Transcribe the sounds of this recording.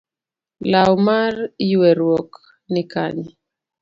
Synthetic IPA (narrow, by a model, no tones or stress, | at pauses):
lawmarjuwɛɾwɔk | nɪka̰ɲɛ